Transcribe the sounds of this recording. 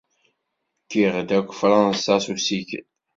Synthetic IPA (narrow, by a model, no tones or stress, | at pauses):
kiʁd̪ækʷːfɾɑnsasusikə̰